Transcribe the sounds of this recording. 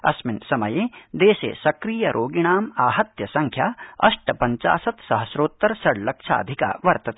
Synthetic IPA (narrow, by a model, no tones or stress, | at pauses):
ɐsmɪnsɐmɐjeːd̪eːsḛːsɐkɾijɐɾʔoːɡiɽ̃aːmaːɦɐt̪jɐsɐ̃ŋkʰjaːɐ̰ʃʈɐpɐɲt͡ʃa̰ːsɐt̪sɐɦɐsɾoːt̪ːɐɾsɐɽlɐkʃʰa̰ːd̪ʱɪka̰ːʋɐɾt̪ɐt̪e